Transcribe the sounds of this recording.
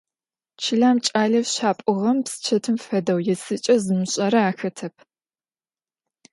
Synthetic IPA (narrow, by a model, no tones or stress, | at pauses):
t͡ʃʰɪɮaːmt͡ʃʼaːɮɐfɕaːpʼʊʁɐmpsɨ̥t͡ʃʰɐtʰɨmfɐdɐwjɛsɨt͡ʃʼɐzɨmɨɕʼɐɾɐaːxɐtʰɐp̚ʰ